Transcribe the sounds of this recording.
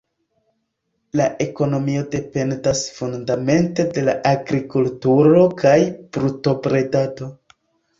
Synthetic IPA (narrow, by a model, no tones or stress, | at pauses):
laʔe̞ko̞no̞mio̞de̞pe̞ndasfundame̞nte̞de̞la̰ʔaɡɾikultuɾo̞kajb̥ɾuto̞pɾe̞dado̞